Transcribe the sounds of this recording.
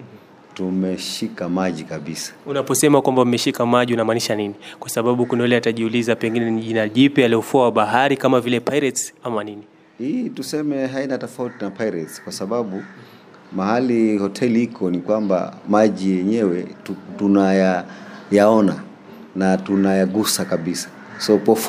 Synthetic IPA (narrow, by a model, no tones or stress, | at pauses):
tumɛʃikamaʄikaɓisḁunapɔsɛmakwambamɛʃikamaʄiunamaːniʃaninikwasaɓaɓukunaɛlɛataʄiulizapɛŋɡinɛniʄinaʄipialɛufuawaɓaɦaɾikamavilɛpaiɾɛtsamanini | hitusɛmɛɦainatɔfautinapaiɾɛtskwasaɓaɓu | mahalihɔtʰɛlihikʰɔnikwamba̰maʄijɛɲɛwɛtunajajaɔna | natunajaɡusakaɓisḁ | sɔkɔf